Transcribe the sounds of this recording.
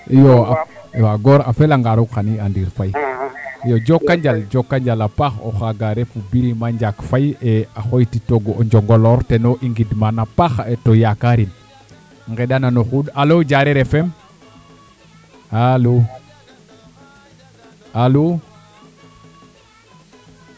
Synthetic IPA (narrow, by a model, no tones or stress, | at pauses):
joajoaɡoɾa̰felaŋɡaɾuɡxaniandiːɾfaj | jod͡ʒokːaɲd͡ʒald͡ʒokːaɲd͡ʒalapaxo̰xaɡaɾefubiɾimaɲd͡ʒakfajeaxojtitoɡoɲd͡ʒoŋɡoloɾtenoʔiŋɡidmanapaxetojakaɾin | ŋɡedananoxudalod͡ʒaɾeɾefem | alu | alu